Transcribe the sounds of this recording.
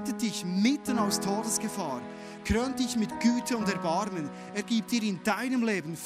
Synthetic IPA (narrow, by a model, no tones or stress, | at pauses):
tət̚d̥ɪçmɪtənaʊstʰoːdəsɡ̥əfaːɾ | kʁøːnt̚d̥ɪçmɪtɡ̥yːtʰəʊndɛɐbaɾmən | eːɐɡiːp̚td̥iːɾɪndaɪnəmleːbən̩f